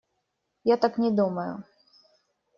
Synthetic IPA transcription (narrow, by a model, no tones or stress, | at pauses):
jat̪aknʲɛd̪umɐjʊ̰